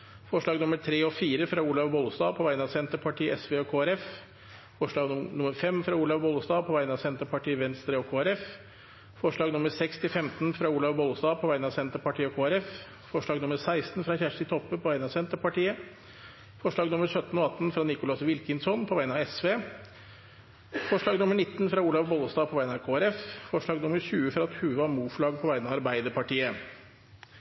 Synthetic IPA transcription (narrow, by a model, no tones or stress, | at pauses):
fɔʂɭɑːɡnʊməɾʈʰɾeːɔfiːɾəfɾɑuːlɑʋbɔlsd̪ɑːpʰɔʋæɪnɑsɛnt̪əɾpʰɑʈʰiːʔɛsʋeːɔkʰoːæɾɛf | fɔʂɭɑːɡ̪nʊməɾfɛmfɾɑuːlɑʋbɔlsd̪ɑːpʰɔʋæɪnɑsɛnt̪əɾpʰɑʈiːəʋɛnst̪ɾəɔkʰoːæɾɛf | fɔʂɭɑːɡnʊməɾsɛkst̪ʰɪfɛmt̪nfɾɑuːlɑʋbɔlsd̪ɑːpʰɔʋæɪnɑsɛnt̪əɾpɑʈiːɔkʰoːæɾɛf | fɔʂɭɑːɡnʊməɾsæɪst̪n̩fɾɑçæʂɪt̪ʰɔpːəpʰɔʋæɪnɑsɛnt̪əɾpɑʈiːə | fɔʂɭɑːɡnʊməɾsœt̪ːn̩ɔɑt̪ːn̩fɾɑnɪkʊlɑsʋɪlkənsɔnpʰɔʋæɪnɑɛsʋeː | fɔʂɭɑːɡnʊməɳɪt̪ːnfɾɑuːlɑʋbɔlsd̪ɑːpʰɔʋæɪənɑkʰoːæɾɛffɔʂɭɑːɡnʊməɾʂʉːəfɾɑt̪hʉʋɑɾmuːfɭɑːɡ̚pʰɔʋæɪənɑʋɑɾbæɪd̪əpɑʈiːə